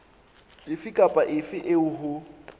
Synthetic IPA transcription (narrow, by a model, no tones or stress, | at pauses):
ɪfɪkʼapʼaʔɪfɪʔɪʊɦʊ